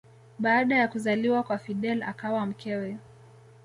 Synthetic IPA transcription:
ɓaːɗajakuzaliwakwafiɗɛla̰kawam̩kɛwɛ

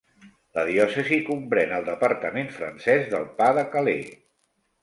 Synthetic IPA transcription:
ləðiɔsəzikumpɾɛnəlˠd̪əpəɾt̪əmenfɾə̰nsɛzðəlˠpaðəkəlḛ

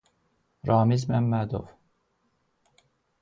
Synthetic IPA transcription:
ɾɑːmizmæmːæd̪o̰v

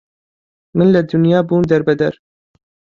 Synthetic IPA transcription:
mɨnlɐd̪ʊnjɑːbuːnd̪ɐɾbɛd̪ɐɾ

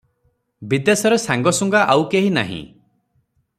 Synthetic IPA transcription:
bid̪esɔɾesaŋɡɔsuŋɡaʔawkeɦina̰ɦḭ̃

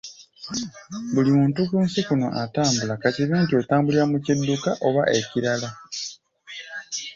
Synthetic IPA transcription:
βulimuːntuɡuːnsikuno̰ʔataːmbulakatiβiːntio̞taːmbuliɾamucidːukaʔo̞βaʔe̞ciɾala

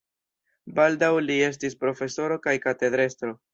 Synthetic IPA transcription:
baldawlie̞s̬tispɾo̞fe̞so̞ɾo̞kajkate̞d̪ɾe̞stɾo̞

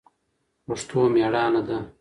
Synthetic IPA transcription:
uʂt̪ʰoːmeːɽɑːnɐd̪ɐ

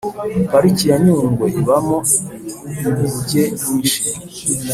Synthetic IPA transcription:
paɾicijaɲuːŋɡweʔiβamo | nuβuɟeniːʃi

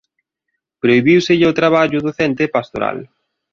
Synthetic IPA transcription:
pɾoiβiwsɪʎot̪ɾaβ̞aʎʊðoθɛnt̪epast̪oɾa̰l

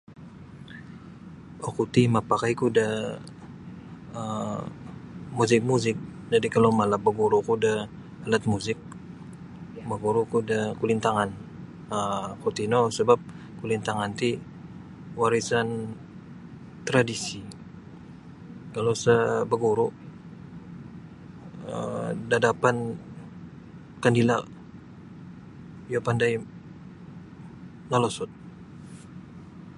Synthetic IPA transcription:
okut̪imapakaikuda | ə | muzɪk̚muzɪk̚ | dadikalomalabəɡuɾukuda | alat̪̚muzɪk̚ | məɡuɾukudakulint̪aŋan | əkut̪inosəbap̚ | kulint̪aŋant̪i | waɾisan | t̪ɾadisi | kalowsəbəɡuɾu | ə̰dadapan | kandila | jopandaj | nalosut̪̚

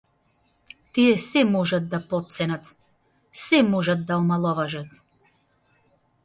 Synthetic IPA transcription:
t̪iɛsɛmɔʒat̪̚d̪apɔt̪̚sɛnat̪ | sɛmɔʒat̪̚d̪aɔmalˠɔvaʒat̪

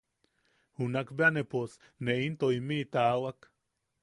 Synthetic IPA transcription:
hunakbeanepos | neint̪oimiːt̪aːwak

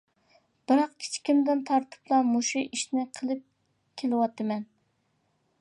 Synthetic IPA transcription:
b̥ɪɾɑqkʲʰi̥t͡ʃʰi̥kʲimd̪ɪnt̪ʰɑɾt̪ʰɨ̥plˠɑmuʃiʔiʃnɪqʰəlˠɨp̚ | kʲʰelɪwɑt̪ʰːɨmɛn

